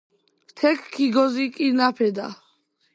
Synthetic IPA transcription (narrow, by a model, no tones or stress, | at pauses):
t̪ʰɛkʰkʰːiɡɔzikʼiɾnapʰɛd̪a̰